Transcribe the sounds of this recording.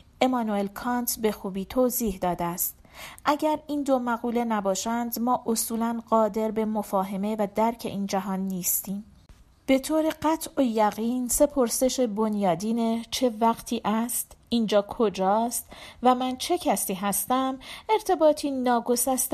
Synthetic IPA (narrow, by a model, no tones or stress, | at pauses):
ʔe̞mɒːnue̞lkʰɒːnt̪ʰbe̞xuːbiːt̪ʰoːziːhd̪ɒːd̪eæst̪ | ʔæɟæɾiːnd̪omæɣuːle̞næbɒːʃænd̪mɒːʔosuːlænɢɒːd̪e̞ɾbe̞mofɒːɦe̞me̞væd̪æɾcʰe̞̰ʔiːnd͡ʒæɦɒːnːiːst̪iːm | b̥e̞t̪ʰoːɾe̞ɢæt̪ʰʔojæɣiːnse̞pʰo̞ɾse̞ʃe̞bo̞njɒːd̪iːne̞t͡ʃʰe̞væɢt̪ʰiːʔæst̪iːnd͡ʒɒːkʰo̞d͡ʒɒːst̪væmænt͡ʃʰe̞cʰæsiːɦæst̪æme̞ɾt̪ʰe̞bɒːt̪ʰiːnɒːɡo̞sæst̪